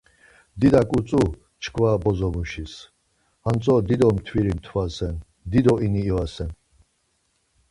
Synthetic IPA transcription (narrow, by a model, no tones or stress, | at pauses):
d̪id̪akʼut͡sʼu | t͡ʃʰkʰvabɔzɔmuʃis | hant͡sʼɔd̪id̪ɔmt̪ʰwiɾimt̪ʰwasɛn | d̪id̪ɔʔiniːwasɛn